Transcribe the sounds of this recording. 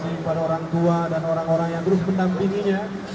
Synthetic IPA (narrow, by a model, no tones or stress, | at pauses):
siəpadaoɾaŋt̪uadanoɾaŋoɾaŋjaŋt̪əɾʊsməndampiŋiɲa